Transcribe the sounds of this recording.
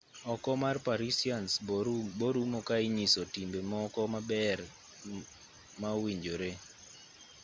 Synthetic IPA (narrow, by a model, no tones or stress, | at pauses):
ɔkɔmarpaɾisiansboɾumɔkaɪɲisɔtimbemɔkɔmabɛr | mawiɲd͡ʒoɾe